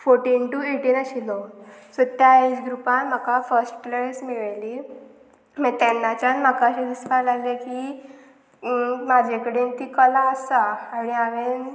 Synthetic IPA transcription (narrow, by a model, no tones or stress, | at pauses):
foɾʈiːnʈueʈiːnəɕilosɔt̪jaed͡ʑɡɾupãnm̤əkafəɾsʈləɽesmiɭli | mɛ̃t̪ɛnːat͡ɕanm̤əkaɕĩd̪isʋalaɡlekiː | mad͡ʑʱekəɽent̪ikəlaəsaːɽ̃iaʋen